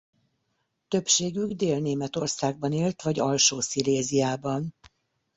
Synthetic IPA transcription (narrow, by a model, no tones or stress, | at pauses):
t̪ø̞pʃeːɡyɡd̪eːlneːmɛt̪o̞rsaːɡ̚bɒneːlt̪ʋɒɟɒlʃoːsileːziaːbɒn